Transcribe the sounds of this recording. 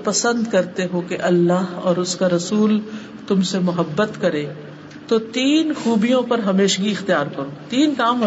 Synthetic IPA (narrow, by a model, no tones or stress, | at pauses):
pɐsə̃nd̪kɐɾt̪eɦõkeʔɐlːaːɦɔːɾʊskaɾɐsuːl | t̪ʊmsemʊɦəbːət̪kɐɾẽː | t̪ot̪iːnxuːbijõpɐɾɦɐmeːʃɡiɪxt̪ijaːɾkɐɾõːt̪iːnkaːmɦɐ